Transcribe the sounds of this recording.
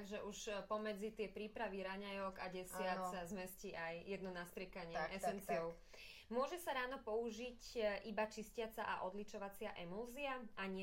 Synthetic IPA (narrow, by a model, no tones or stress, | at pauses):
ɡʒɛʔuʃpɔmɛd͡zit̪ɪɛpɾiːpɾaʋiɾaɲajɔkaɟɛsɪaazmɛsciajjɛd̪nɔnasp̪ɾɪɛkaɲɪɛʔɛsɛnt͡siɔʊ | mʊɔʒɛsaɾaːnɔpɔuʒicʔibat͡ʃiscɪat͡saʔa̰ʔɔd̪lit͡ʃɔʋat͡sɪaʔɛmulziaaɲɪɛ